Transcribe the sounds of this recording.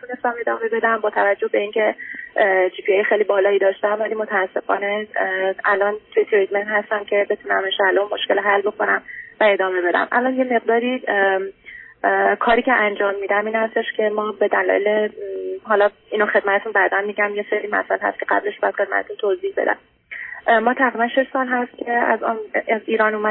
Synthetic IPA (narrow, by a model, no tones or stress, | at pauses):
it̪ʰune̞st̪æme̞d̪ɒːme̞be̞d̪æmbɒːt̪ʰævæd͡ʒːohbe̞iːncʰe̞ | d͡ʒiːpʰiɑːjexejlibɒːlɒːiːd̪ɒːʃt̪æmvæliːmo̞t̪ʰæːsːe̞fɒ̰ːne̞ | ælʔɒnt̪ʰujet̪ʰɾid̪menhæst̪æmcʰe̞be̞t̪ʰunæmeʃælonmoʃke̞lɦælːbo̞kʰo̞næmvæe̞d̪ɒːme̞be̞d̪æ̰mʔæ̰lɒːnjeme̞ɢd̪ɒːɾiː | kʰɒːɾiːcʰe̞ʔænd͡ʒɒːmːiːd̪æmiːnhæst̪e̞ʃcʲʰe̞mɒːbe̞d̪ælɒ̰ːjeleɦɒlɒ | iːnoxe̞d̪mæt̪e̞t̪ʰunbæd̪ænmiːɟæmje̞seɾiːmæ̰sælhæ̰st̪̚cʰeɢæ̰ble̞ʃb̥ɒjæd̪χe̞d̪̚mæ̰t̪et̪unt̪ʰozihbe̞d̪æ̰m | mɒːt̪ʰæɣɾibænʃeʃsɒːlɦæst̪̚cʲʰe̞æ̰zɒ̰niːɾɒːnumæ